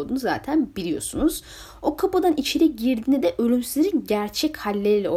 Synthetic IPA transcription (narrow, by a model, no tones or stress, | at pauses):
d̪unuza̰ːt̪ʰænbilʲijo̞̰sunuz̥ | o̞kʰapad̪anit͡ʃʰeɾɛɟiɾd̪iːnid̪ɛʔø̞lʲymsizʲeɾinɟæɾt͡ʃʰɛchalʲːeilʲɛo